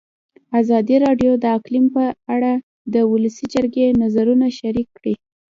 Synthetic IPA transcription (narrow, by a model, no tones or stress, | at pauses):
azɑd̪iɾɑɖjod̪əaklimpəaɽa | d̪əwʊləsid͡ʒəɾɡenazaɾunaʃaɾikːɽi